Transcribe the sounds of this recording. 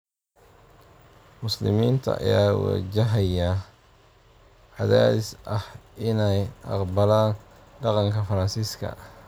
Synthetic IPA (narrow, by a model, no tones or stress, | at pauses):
mʊslɪ̰miːnt̪ʰɐ̰ʔɐ̰jaːwɑ̰t͡ʃɪɦɐjɐ | ʕɑðaːðɪsʔɐhʔɪnɛjʔɑ̰qbɐlaːn | ɖɑqɑŋkʰɐfɐɾɐnsiːskʰɐ̰